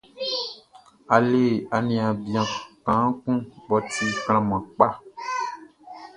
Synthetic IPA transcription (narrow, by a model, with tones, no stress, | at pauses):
a˨le˦˨a˨nĩ˨a˨bjã˨kã˨˦kũ˦bɔ˨t̪i˦kl̃ã˨mã˨k͡pa˦